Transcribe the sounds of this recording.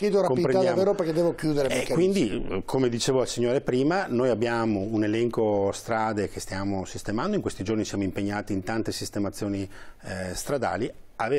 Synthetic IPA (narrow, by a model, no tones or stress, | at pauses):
kjeːd̪oɾakompiipɾenad̪javeːɾoperked̪ɛːvokjuːd̪eɾeɛkːkwind̪ikʰomed̪it͡ʃeːvoalsiɲːoːɾepɾiːmanoːjabjaːmounelɛŋkost̪ɾaːd̪ekest̪jaːmosist̪emand̪oiŋkwest̪id͡ʒornisjaːmoimpeɲːaːt̪iːnt̪ant̪esist̪emat̪sːjoːni | st̪ɾad̪a̰ːli | ave